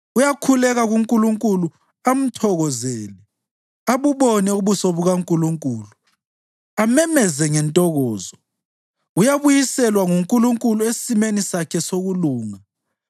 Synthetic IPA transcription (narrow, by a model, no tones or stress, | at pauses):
ujakʰulɛɣaɣuŋkʼuluŋkʼulu | am̩tʰɔɣɔzeːli | aβuβɔnɛuβusɔβuɣaŋkʼuluŋkʼuːlu | amɛmɛzɛŋɛntʼɔɣɔːzɔ | ujaβujisɛlwaŋuŋkʼuluŋkʼuluesisimenisakʰɛsoɣuluːŋa